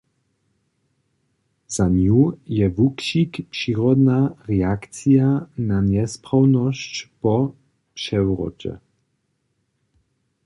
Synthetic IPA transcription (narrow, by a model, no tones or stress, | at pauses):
z̥aɲujɛvukʃikpʂiːʁɔd̪naʁɛakt͡sijananɛspɾawnɔɕt͡ɕpɔ | pʂɛwɾɔ̰t͡ʃɛ̰